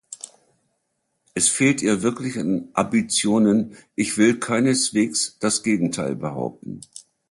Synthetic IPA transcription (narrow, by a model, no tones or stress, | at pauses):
ʔɛsfeːltʔiːɐvɪɐklɪçanʔambit͡sjoːnənʔɪçv̥ɪlkʰaɪnəsv̥eːksd̥asɡ̥eːɡŋ̩tʰaɪlbəha̰ʊp̚tn̩